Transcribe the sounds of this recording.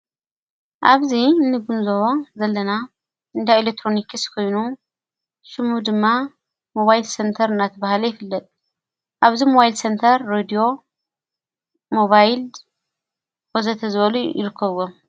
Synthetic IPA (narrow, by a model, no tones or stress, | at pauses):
ʔaβzinːɨɡunzoβozɐlːɐna | ɨnd̪aelek̚t̪ʰɾo̞nikʰɨskʰo̞jnu | ʃɨmud̪ɨmːa | mo̞βajlsent̪ʰɐɾɨnːat̪ʰɐβahlɐjɪfɨlːɐt̪ʼ | ʔaβzimo̞βajilsent̪ʰɐɾːed̪io̞ | mo̞βajl | wozɐt̪ʰɐzɨβɐlujɪ̰ɾɨkʰːɐβɡom